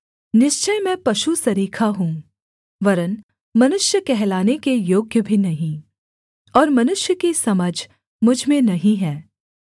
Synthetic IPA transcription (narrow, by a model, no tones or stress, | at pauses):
nɪʃt͡ʃəjmɛ̃pɐʃusɐɾiːkʰaɦũː | ʋɐɾən | mɐnʊʃjəkɛɦlaːnekejoːɡjəbʱinɐɦĩ | ɔːɾmɐnʊʃjəkisɐməd͡ʒʱ | mʊd͡ʒʱmẽnɐɦĩɦɛː